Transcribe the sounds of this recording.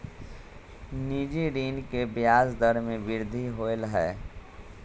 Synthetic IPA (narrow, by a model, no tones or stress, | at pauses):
niːd͡ʒiɾiːnkebjaːzd̪əɾmẽbɪɾd̪ʱiɦoːlɦɛː